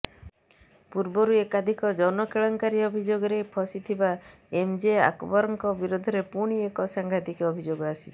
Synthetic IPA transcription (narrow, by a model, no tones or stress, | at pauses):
puɾbɔɾuekad̪ʱikɔd͡ʒɔnɔkeɭɔŋkaɾiɔbʱid͡ʒoɡɔɾejpʰɔsit̪ʰiba | emd͡ʒea̰kɔbɔɾɔŋkɔbiɾod̪ʱɔɾepuɽ̃iekɔsaŋɡʱad̪ikɔbʱid͡ʒoɡɔasi